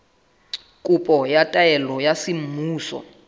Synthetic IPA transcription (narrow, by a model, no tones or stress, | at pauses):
kʼupʼɔjatʼajɛlɔjasim̩muːsɔ̰